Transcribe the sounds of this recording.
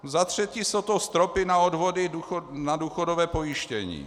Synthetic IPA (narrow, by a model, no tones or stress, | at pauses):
zat̪r̝̥ɛciːsowt̪ost̪ɾopɪnaodvodɪuonaduːxodovɛːpo̞jɪʃcɛɲḭː